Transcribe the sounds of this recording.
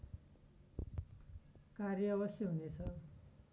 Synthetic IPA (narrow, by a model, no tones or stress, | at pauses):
karjʌβʌsjʌɦunet͡sʰʌ